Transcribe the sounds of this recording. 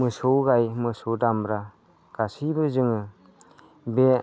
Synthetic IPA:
mɯsowɡajmɯsodambɾa | ɡ̥asibɯzɯŋɯ | be

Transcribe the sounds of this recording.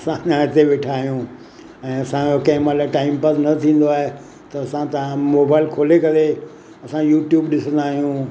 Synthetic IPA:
ɐsãʄãɪt̪eʋeːʈʰaːɦijũ | ɛ̃ːɐsãokɐ̃ɦɪ̃malaʈaːɪmpəsnɐt̪ʰĩːn̆d̪oaːɦe | t̪ɐɐsãt̪ɐʋãmoːbaːɪlkʰoːlekɐɾe | ɐsãjuːʈjuːbɗɪsə̃nd̪aːɦijũ

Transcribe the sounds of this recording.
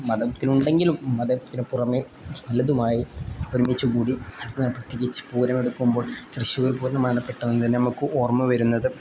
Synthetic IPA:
mɐðɐt̪ːinuɳɖe̞ŋɡilumːɐðɐmt̪ːinɨpurɐmi | ʋɐlːɐðumaːjioɾumːit͡ɕːukuːɽiɐnɐpːrɐt̪ːiɣʲit͡ɕːɨ̥puːɾɐme̞ɽukːumbo̞ːɭɕrɨɕjuɣɐlpuːɾnɐmaːnɐpːe̞ʈːɐʋenːɨt̪ɐnːenɐmukːɨʔo̞ːrmɨʋɐɾunːɐðɨ

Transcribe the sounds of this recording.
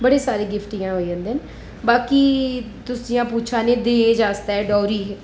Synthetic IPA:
bəɽeːsaːɾeːɡɪfʰʈijãːɦoːiãːnd̪ɛːn | baːkiː | t̪ʊsiːãːpuːt͡ʃʰaːneːd̪eːd͡ʒaːst̪aɛːɖɔːɾiː

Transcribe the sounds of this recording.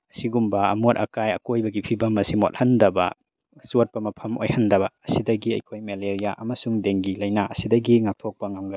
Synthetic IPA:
ɐsiɡumbɐɐ̰muɾɐkajɐ̰kojbɐɡipʰibɐmːɐsimot̚hɐndɐbɐ̰ | sut̚pɐmɐpʰɐmo̰jhɐndɐbɐːsidɐɡiɐ̰jkʰojmeleɾijaʔɐmɐsuŋdeŋɡilɐjnaɐsidɐɡiŋak̚tʰok̚pɐŋamɡɐ

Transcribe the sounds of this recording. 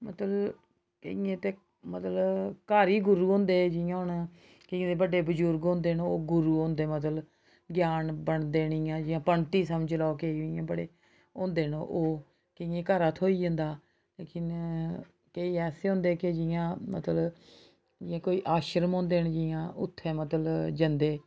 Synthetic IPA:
mət̪ləb | kəijẽːt̪eː | mət̪ləkaːɾiːɡʊɾuːɦõːnd̪eːd͡ʒɪjãːɦʊɳ | kəjẽːd̪eːbəɖeːbəd͡ʒʊɾɡõːnd̪eːnoːɡʊɾuːɦõːnd̪eːmət̪lb | ɡjaːnbəɳd̪eːnɪːãːd͡ʒɪjãːpəɳt̪iːsəməd͡ʒlaːkeiɪjã̰ːbəɽeː | õːnd̪eːnoʔoː | kɪjẽːkaːɾaːt̪ʰoːiːd͡ʒə̃nd̪aː | leːkɪn | keiːɛːseːɦõːnd̪eːked͡ʒɪjãːmə̰t̪lə | d͡ʒɪjãːkoːiːʔaːʃəɾəmõːnd̪eːɳd͡ʒɪjãːʊ̰t̪ʰːeːmət̪əd͡ʒənd̪eː

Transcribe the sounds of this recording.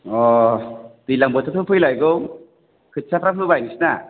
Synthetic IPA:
ɔ | t̪ilaŋbɯt̪ʰɯt̪ʰɯpʰɯjlajɡɯw | kʰɯt̚sʰapɾapʰɯbajnisna

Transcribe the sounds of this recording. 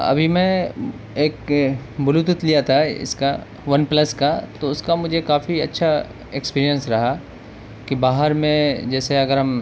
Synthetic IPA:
ɐ̰bʱimɛ̃ | eːkbʊlut̪ʊt̪lijat̪ʰaɪ̰ska | ʋɐnplɐskat̪oʊskamʊd͡ʒʱekaːfiɐ̰tːʃʰa | ekspiːɾijə̃nsɾɐɦa | kibaːɦəɾmẽd͡ʒɛːseɐɡəɾɦɐm

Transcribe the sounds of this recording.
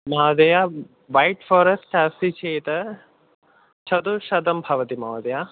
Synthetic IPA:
maːd̪ɐja | ʋɐjʈfoːɾɐsʈɐːsit͡ʃʰeːt̪ɐ | t͡ʃʰɐd̪uʃɐd̪ɐmbʱɐʋɐt̪imaːd̪ɐja

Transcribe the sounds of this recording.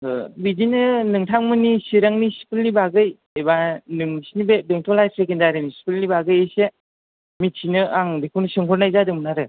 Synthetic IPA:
bizinɯnɯŋtʰaŋmɯnisiɾaŋnisi̥pilnibaɡɯj | ebanɯŋsinibebeŋtʰɔlajsekendaɾinisi̥pilnibaɡɯjese | mit̚sʰinɯʔaŋɾikʰunɯsɯŋkʰɔɾnajzadɯŋmnaɾɯ

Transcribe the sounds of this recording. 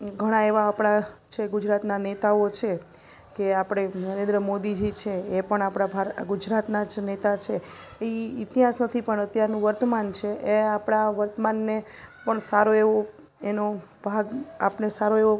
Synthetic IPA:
ɡʱəɽ̃aeʋaːpɽ̃at͡ʃʰeɡʊd͡ʒɾat̪nanet̪aot͡ʃʰe | keapɽ̃enəɾẽnd̪ɾəmod̪id͡ʒit͡ʃʰeːpəɳapɽ̃abʱaɾɡud͡ʒɾat̪nad͡ʒnet̪at͡ʃʰeeiit̪iɦasnət̪ʰipəɳət̪jaɾnũʋəɾt̪əmant͡ʃʰeʔeapɽaʋəɾt̪əmanːe | pəɳsaɾoeʋo | eno | b̥ʱaɡapnesaɾoeʋo

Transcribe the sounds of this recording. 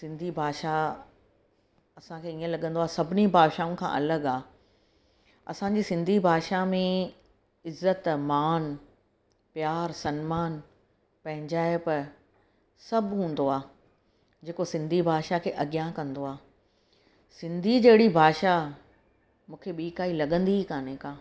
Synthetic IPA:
sɪ̃nd̪ʱibʱaːʃa | ɐsãkʰeːiə̃lɐɠə̃nd̪oaːsɐbʱɪnibʱaːʃaːũkʰã̰ʔɐ̰ləɠaː | ɐ̰sãɲd͡ʑiːsɪ̃nd̪ʱibʱaːʃamẽ | ɪzːət̪maːn | pjaːɾsɐnmaːn | pɐ̃ɦɪ̃ɲd͡ʑaːɪpɐ | sɐbʱɦũːn̆d̪oaː | d͡ʑeːkosɪ̃nd̪ʱibʱaːʃakʰeːʔɐɠjãkɐ̃nd̪oaː | sɪ̃nd̪ʱid͡ʑɐɦɪɽibʱaːʃa | mũːkʰeɓiːkaːilɐɠə̃nd̪iɦikaːnẽkaː

